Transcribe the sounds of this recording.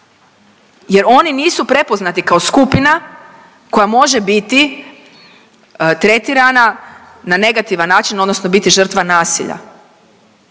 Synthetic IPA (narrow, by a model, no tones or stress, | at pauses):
je̞ɾo̞niniːsupɾe̞po̞znat̪ikao̞skupina | ko̞jamo̞ʒe̞bit̪i | t̪ɾe̞t̪iɾana | nane̞ɡat̪iʋanːaːt͡ʃino̞d̪no̞sno̞bit̪iʒər̩t̪ʋanaːsḭʎa̰